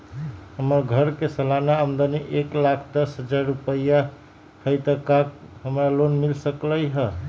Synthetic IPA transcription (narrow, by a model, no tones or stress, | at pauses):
həməɾɡʱəɾkesəlanaəmd̪aniʔeklakʰd̪əsɦəd͡ʒaɾːupəja | həɪt̪əkak | ɦəmɾalonmilsəkləjɦə